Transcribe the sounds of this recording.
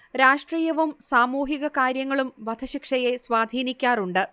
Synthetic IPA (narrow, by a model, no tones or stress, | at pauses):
ɾaːʂʈriːjɐʋumsaːmuːɦiɣɐkaːɾjɐŋːɐɭumʋɐd̪ʰʱɐɕikʂɐje̞swaːd̪ʱiːnikʲːaːruɳɖɨ